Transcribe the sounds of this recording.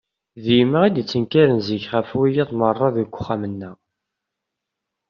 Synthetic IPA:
ðijməʁid̪t͡sːənkaɾənziçχəfwijæðˤmərˤːɑðəɡʷːʊχːamənːæ

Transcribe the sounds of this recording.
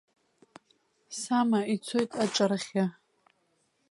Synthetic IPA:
samait͡sʰojtʼaʈ͡ʂʼarχʲa

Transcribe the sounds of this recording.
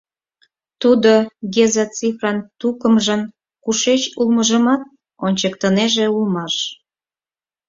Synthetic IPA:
t̪ud̪oɡezɑt͡sifrɑnt̪ukəmʒən | kuʃet͡ɕulməʒəmɑt̪̚ | onʲt͡ɕəkt̪əneʒeulmɑʃ

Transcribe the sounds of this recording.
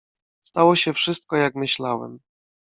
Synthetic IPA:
st̪awɔɕɛfʂɘst̪̚kɔjakmɘɕlawɛ̰m

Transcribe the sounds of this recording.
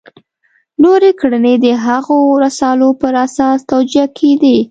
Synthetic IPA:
noɾekɽəned̪əɦaɣoɾasɑlopəɾasɑst̪awd͡ʒiakʰed̪i

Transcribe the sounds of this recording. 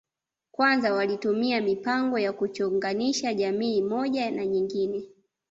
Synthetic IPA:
kwanzawalitumiamipaŋɡɔjakut͡ʃɔŋɡaniʃaʄamiːmɔʄanaɲiŋɡinɛ

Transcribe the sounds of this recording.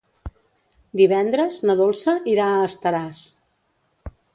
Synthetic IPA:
d̪iβ̞ɛnd̪ɾəznəðolˠsəʔiɾaəːst̪əɾas

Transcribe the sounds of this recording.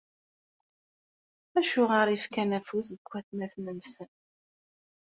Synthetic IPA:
æʃʊʁaɾifkænæfusðəkʷːæθmæθnənsən

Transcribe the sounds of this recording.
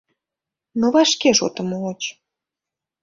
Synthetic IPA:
noβɑʃkeʃo̰t̪əmoot͡ɕ

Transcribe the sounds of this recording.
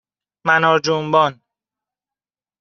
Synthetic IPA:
mænɒːd͡ʒombɒːn

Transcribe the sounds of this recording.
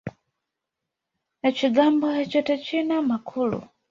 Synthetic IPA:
nat͡ʃiɡambɔhat͡ʃɔtɛt͡ʃinamakʰuːlṵ

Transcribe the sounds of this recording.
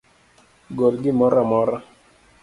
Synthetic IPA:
ɡɔlɡɪmɔɾamɔɾa

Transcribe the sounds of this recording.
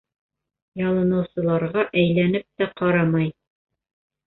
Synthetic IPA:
jɑlˠɤ̆nɤ̆wsɤ̆lˠɑɾʁɑʔæjlænɘp̚t̪æqɑɾɑmɑj

